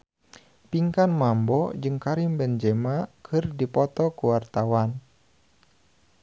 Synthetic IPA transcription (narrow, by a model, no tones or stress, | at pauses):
piŋkanmambɔd͡ʒɨŋkaɾimbɛnd͡ʒɛmakʰɨrdipɔt̪ɔkuwart̪awan